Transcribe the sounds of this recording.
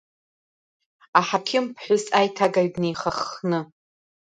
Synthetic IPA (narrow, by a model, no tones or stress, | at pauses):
aħapʲʰɪmpʰħʷᶣʊsajtʰaɡaɥdnejχaχnɨ